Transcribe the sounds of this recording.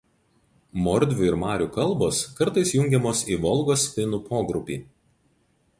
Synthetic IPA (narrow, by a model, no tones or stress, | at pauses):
mɔɾʲd̪ʲʋʲʊɪɾmɑːɾʲuːkɐlˠˑboːskɐɾt̪ɐɪsjʊŋʲɡʲɛmoːsiːʋɔlˠɡoːsʲfʲɪnupoːɡɾʊpʲiː